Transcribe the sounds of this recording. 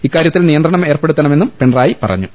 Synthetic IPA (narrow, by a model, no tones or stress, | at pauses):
ikːaːɾjɐt̪ːilnijɐnd̪ɾrɐɳɐme̞ːrpe̞ɽut̪ːɐɳɐme̞nːumpe̞ɳraːjipɐ̰rɐ̰ɲːu